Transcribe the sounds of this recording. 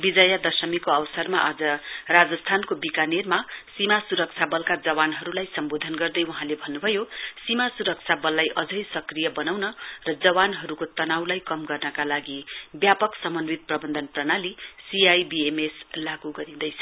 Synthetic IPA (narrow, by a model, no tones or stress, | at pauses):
bid͡zʌjad̪ʌsʌmikoʌwsʌrmaʔʌd͡zʌrad͡zʌst̪ʰankobikanermasimasuɾʌk̚t͡sʰabʌlkad͡zʌwanɦʌɾulajsʌmbod̪ʱʌnɡʌrd̪ʌjwuɦãlebʱʌnːubʱʌjosimasuɾʌk̚t͡sʰabʌlːajʔʌd͡zʌjsʌkrijʌbʌnawnʌrʌd͡zʌβanɦʌɾukot̪ʌnawlajkʌmɡʌrnʌkalaɡibjapʌksʌmʌnwit̪̚prʌbʌnd̪ʱʌnprʌnalisiajbiemeslaɡuɡʌɾĩd̪ʌjt͡sʰʌ̥